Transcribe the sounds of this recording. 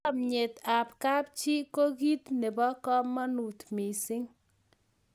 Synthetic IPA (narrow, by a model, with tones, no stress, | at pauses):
mɲe˨t̪a˨p̚ka˦p̚t͡ʃi˦ko˦ɡi˦t̪nɛ˨bɔ˦kɔ˦mːɔ˦nu˨t̪mɪ˨sɪ˦ŋ